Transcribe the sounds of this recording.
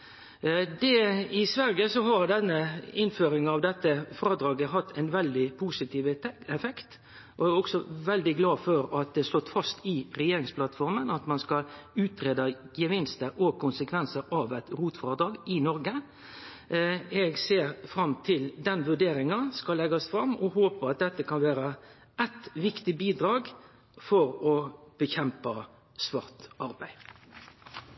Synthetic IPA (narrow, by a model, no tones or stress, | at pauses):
d̪ɛɪsʋæɾɡəsɔɦɑɾd̪ɛnːəɪnføːɾɪŋɑʋd̪ɛt̪ːəfɾɑːd̪ɾɑːɡəɦɑt̪ʰːɛɪnʋɛld̪ɪpʰuːsɪt̪ʰiːʋɛfɛkt̪ | ʔɔæɔksɔʋɛld̪ɪɡlɑːføɾɑt̪̚d̪ɛslɔt̪ːfɑst̪ɪɾɛjeːɾɪŋspʰlɑt̪fɔɾmənɑt̪mɑnskɑlʉːt̪ɾeːd̪ɑjəʋɪnst̪əɔkʊnsəkʰʋɛnsəɾɑʋæt̪ɾuːt̪fʁɑːd̪ɾɑːɡɪnɔɾɡə | ɛɡseːɾfɾɑmt̪ʰɪld̪ɛnʋʉɖeːɾɪŋɑskɑllːɛɡɑsfɾɑmːɔɦoːpəɾɑt̪̚d̪ɛt̪ːəkʰɑnʋæːɾə | ʔɛt̪ʋɪkt̪ɪbiːd̪ɾɑːɡ | fɔɾɔb̥əçɛmpə | sʋɑːʁt̪ʔɑɾbæɪ